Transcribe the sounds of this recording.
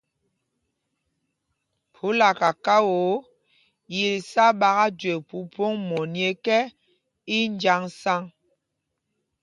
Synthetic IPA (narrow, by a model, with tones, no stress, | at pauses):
pʰu˨˦la˨ka˨ka˦wo˨˦ | ji˨li˨sa˦ɓa˨ɣa˦de˨pu˨po˦ŋmɔ˨nje˦kɛ˦ | i˦n˦d͡ʒa˦ŋsa˦ŋ